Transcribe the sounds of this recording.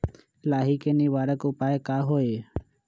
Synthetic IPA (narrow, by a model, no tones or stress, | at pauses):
laːɦiːkeːniːʋaːɾəkʊpaːekaːɦoːeː